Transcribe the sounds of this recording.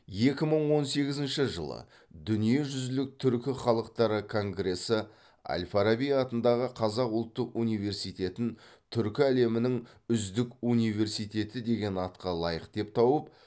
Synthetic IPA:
je̞kʲɪməɴwo̞nse̞ɡʲɪzɪnʃɪʒə̰lˠə̰ | d̪ʏnije̞ʒʏzɪlɪk̚t̪ʰʏɾkʲɪχɑlˠəqt̪ɑɾəkʰo̞ŋɡre̞sɪ | a̰lʲfaɾabijɑt̪ənd̪ɑʁəqʰɑzɑqʊlˠt̪ːəqunijve̞rsijt̪e̞t̪ɪnt̪ʰʏɾkʲɪæle̞mɪnɪŋ | ʏzd̪ɪkunijve̞rsijt̪e̞t̪ɪd̪e̞ɡʲe̞nɑt̪qɑlˠɑjəqd̪̥e̞p̚t̪ʰɑwəp

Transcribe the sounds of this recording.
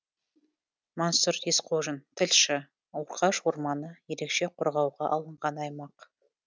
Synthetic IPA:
monsʊɾesqʰoʒənt̪ʰɪlʲʃɪ | wɾqʰɑʃwoɾmɑnəje̞ɾe̞kʃe̞qʰʊɾʁɑwʁɑʔɑlˠəɴʁɑnɑjmɑq

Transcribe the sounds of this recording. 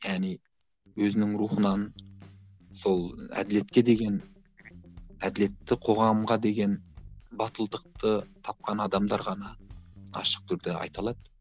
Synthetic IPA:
jæʁnij | wɵzɪnɪŋɾuχənɑn | so̞lˠæ̰d̪ɪle̞t̪kʲe̞d̪e̞ɡʲe̞n | æd̪ɪle̞t̪ːɪqʰo̞ʁɑmʁɑd̪e̞ɡʲe̞nbɑt̪əlˠd̪əq̚t̪ət̪ʰɑp̚qɑnɑd̪ɑmd̪ɑɾʁɑnɑɑ̰ʃə̥q̚t̪ʰʏɾd̪ɪɑ̰jt̪ɑlˠɑd̪̥ə

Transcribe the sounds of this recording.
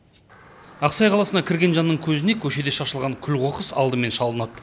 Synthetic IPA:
ɑqsɑjqʰɑlˠɑsənɑkʲʰɪɾɡʲe̞nʒɑnːəɴkʲʰɵzɪne̞kʲʰɵʃe̞d̪e̞ʃɑʃəlˠʁɑŋkʲʰʏlqo̞qəsɑ̰lˠd̪əme̞nʃɑlˠənɑd̪

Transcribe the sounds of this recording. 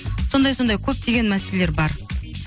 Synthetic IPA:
so̞nd̪ɑjso̞nd̪ɑjkʲʰɵp̚t̪ʰe̞ɡʲe̞nmæselele̞ɾbɑɾ

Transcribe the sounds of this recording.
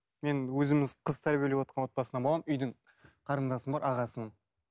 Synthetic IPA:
me̞nwɵzɪmɪzqʰəz̥t̪ʰæɾbʲijelewot̪qɑnwo̞t̪̚bɑsənɑbolˠɑmʏjd̪ɪɴ | qʰɑɾənd̪ɑsəmbɑɾʔɑʁɑsəmən

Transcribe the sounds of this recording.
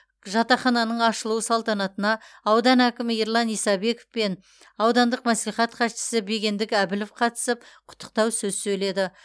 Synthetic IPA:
ʒɑt̪ɑχɑnɑnəɴɑʃəlˠuwəsɑlˠt̪ɑnɑt̪ənɑːwd̪ɑnækʲɪmɪiɾlˠɑnijsɑbe̞kofpe̞n | ɑwd̪ɑnd̪əq̚mæsliχɑt̪qʰɑʃɪ̥sɪbe̞ɡʲe̞nd̪ɪkʲæbɪlofqʰɑt̪ə̥səp̚qʰʊ̥t̪ʰːə̥q̚t̪ɑwsɵzsɵjle̞d̪ɪ

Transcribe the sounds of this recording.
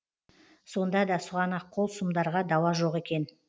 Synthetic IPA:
so̞nd̪ɑd̪ɑsʊʁɑnɑqʰːo̞lˠsumd̪ɑɾʁɑd̪ɑwɑʒo̞ʁe̞kʲe̞n

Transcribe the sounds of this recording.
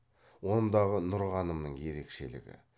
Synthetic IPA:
wo̞nd̪ɑʁənʊɾʁɑnəmnəɴje̞ɾe̞kʃe̞lɪ̰ɡʲɪ̰

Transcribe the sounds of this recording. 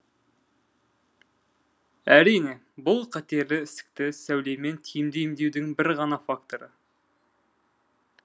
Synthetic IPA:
æɾijne̞ | bʊlˠqʰɑt̪e̞ɾlɪɪst̪ɪ̥k̚t̪ɪsæwle̞jme̞nt̪ʰijɪmd̪e̞jmd̪e̞wd̪ɪŋbɪɾʁɑnɑfakt̪o̞ɾə

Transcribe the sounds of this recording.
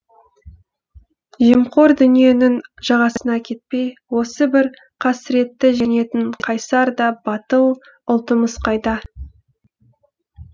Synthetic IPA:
ʒiəmqo̞ɾd̪ʏnije̞nɪŋʒ̥ɑʁɑsənɑkʲʰe̞t̪̚pe̞jwo̞səbɪɾ | qʰɑsɪɾe̞t̪ːɪʒe̞ne̞t̪ɪɴqʰɑjsɑɾd̪ɑbɑt̪əw | ʊlˠt̪əməsqɑjd̪ɑ

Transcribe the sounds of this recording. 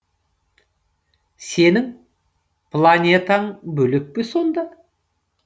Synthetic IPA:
se̞nɪŋ | pʰlˠanʲet̪ɑɴbɵlek̚peso̞nd̪ɑ

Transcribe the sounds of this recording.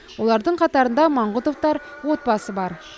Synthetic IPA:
wo̞lˠɑɾd̪əɴqʰɑt̪ɑɾənd̪ɑmɑɴʁʊt̪o̞ft̪ɑɾ | wo̞t̪̚bɑsəbɑɾ

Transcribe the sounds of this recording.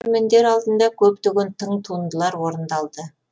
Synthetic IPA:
mɪnd̪e̞ɾɑlˠd̪ənd̪ɑkʲʰɵpt̪ʏɡʲent̪ʰəɴt̪ʰund̪əlˠɑɾwo̞ɾənd̪ɑlˠd̪ə

